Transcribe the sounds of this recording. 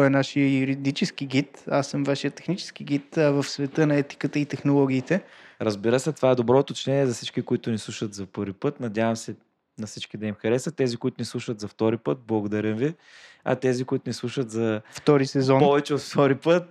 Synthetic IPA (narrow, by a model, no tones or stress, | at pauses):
ɔɛnaʃijəjuɾid̪it͡ʃɛskiɡ̟it̪asːəmvaʃijət̪ːɛ̥xnit͡ʃɛ̥skiɡit̪əvəfsvɛt̪ənɐɛt̪i̥kət̪əit̪ɛxnolˠɔɡ̟iːt̪ɛɾəzbiɾəsɛt̪ovaɛd̪obɾɔt̪ot͡ʃnɛniɛzɐfsi̥t͡ʃkikoit̪ʊnislˠuʃət̪zɐpɤɾvipɤt̪nɐd̪ʲjavɐmsɛ | nɐfsit͡ʃkid̪ɐimxɐɾɛsət̪ɛzikoit̪ʊnislˠuʃət̪zɐft̪ɔɾipɤt̪̚blˠɐɡod̪ɐɾʲəmvi | ɐ̰t̪ɛzikoit̪ʊnislˠuʃət̪zɐftt̪ɔɾisɛzɔnɔvɛt͡ʃɛot̪ft̪ɔɾipɤt̪̚